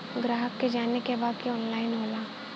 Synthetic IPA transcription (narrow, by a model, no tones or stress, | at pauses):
ɡɾaːɦəkːed͡ʒaːnekebaːd̪̚kiɔːnlaːɪnɦoːlaː